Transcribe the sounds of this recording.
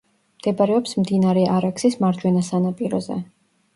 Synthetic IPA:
md̪̥ɛbaɾɛɔpsmd̪inaɾɛaɾaksismaɾd͡ʒwɛnasanapʼiɾɔ̰zɛ̰

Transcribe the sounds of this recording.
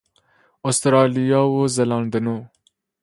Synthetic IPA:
ost̪ɾɑlijɑwozelɑːnd̪əno

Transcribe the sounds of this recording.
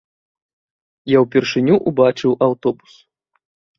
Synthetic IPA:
jawpʲirʂɨnʲuʔubat͡ʂɨwʔawt̪ɔbus

